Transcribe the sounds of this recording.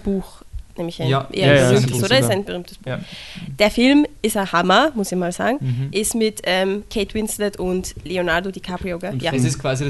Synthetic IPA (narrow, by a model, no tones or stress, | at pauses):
b̥uːxnɛːmɪçaɪʔjayːmtəsodɐɪsaɪnbəʁyːmtʰə̥sb̥uːd̥eːɐfɪlmɪsɐhamɐmʊsɪçmaːlza̰ːɡŋ̩ʔɪsmɪtʔɛmkʰeːtʰwɪnslətʊntleonaʁdodikʰapʁioɡajasɪskʰv̥aːzi